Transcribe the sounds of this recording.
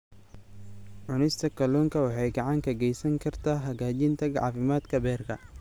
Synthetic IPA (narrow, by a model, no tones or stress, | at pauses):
ʕʊnɪst̪ʰɐkʰɐlɔːŋkʰɐwɑħɑjɡɑʕɑŋkʰɐɡɛjsɐŋkʰɐrt̪ʰaːɦɐɣaːt͡ʃɪnt̪ʰɐɡɑ̰ʕfɪmaːd̪kʰɐbɛːrkʰɐ̰